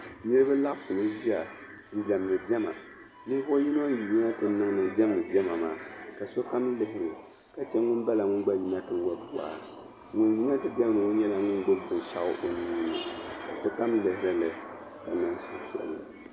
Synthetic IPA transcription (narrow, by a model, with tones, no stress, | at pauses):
ni˦ɾɨ˦bɨ˦la˦ʔsʊ˨ma˦ʒi˦a˨ | di˨da˨m˨nɨ˨dɛ˦ma̰˨ | nɨ˦fo˦ji˦no˦ji˨ji˦na˦tɨ˨nɨ˦ŋ˦nɨ˨dɛ˦m˨nɨ˨dɛ˦ma˨maː˨ka˨so˦ka˦m˦lɨ˨hɪ˦ɾɨ˨ | ka˨t͡ʃɛ˦ŋʊ˦ba˦la˨ŋʊ˦nɡ͡ba˦ji˦na˦tɨ˨wa˦bu˨a̰˨ | ŋʊ˨nji˦na˦tɨ˨dɛ˦m˨nɨ˨o˦ɲɛ˦la˨ŋʊ˦nɡ͡bo˦bʊ˨ʃa˦ʔʊ˦ʔo˨ni˦i˦nɨ˨ka˨so˦ka˦m˦lɨ˨hɪ˦ɾɨ˦lɨ˨ | ka˨nɨ˦ŋsu˨ʃɛ̰˨lːɨ̰˨